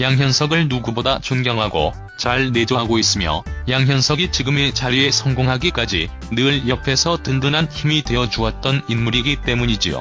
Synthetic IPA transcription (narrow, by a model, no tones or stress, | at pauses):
jaŋjʌnsʰʌɡɯɭnuɡubodat͡ɕonɡjʌŋɦaɡo̰ | t͡ɕaɭne̞d͡ʑʌɡois͈ɯmjʌ̰jaŋɦjʌnsʰʌɡit͡ɕiɡɯmet͡ɕaɾie̞sʰʌŋɡoŋɦaɡik͈ad͡ʑḭ | nɯɭjʌpʰe̞sʰʌtɯndɯnɦançimidwe̞ʌd͡ʑuʌt̚t͈ʌninmuɾiɡit͈e̞muɲid͡ʑijo̰